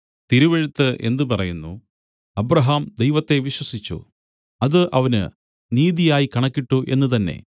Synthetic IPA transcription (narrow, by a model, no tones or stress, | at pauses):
t̪iɾuʋeɻut̪ːɨʔe̞̰nd̪ɨpɐrɐjunːṵ | ɐbɾɐɦaːmd̪ejʋɐt̪ːe̞ʋiɕwɐsit͡ɕːṵ | ɐðɨʔɐʋɐnɨ̰ | niːðijaːjikɐɳɐkːiʈːuʔe̞̰nːut̪̬ɐnːe̞̰